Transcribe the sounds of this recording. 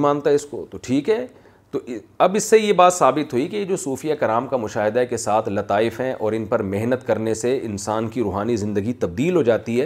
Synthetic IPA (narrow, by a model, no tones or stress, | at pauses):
maːnt̪aɦɛɪsko̰t̪oʈʰiːkɦɛː | t̪oɐbɪsːejebaːt̪saːbɪt̪ɦuikejed͡ʒoːsuːfijakɐɾaːmkamʊʃaːɦɪd̪akesaːt̪ʰlɐt̪aːɪfɦɛ̃ʔɔːɾɪnpɐɾmeɦnət̪kɐɾneseɪ̰nsaːnkiɾuːɦaːnizɪ̃nd̪əɡit̪ɐb̚d̪iːlɦod͡ʒaːt̪iɦɛː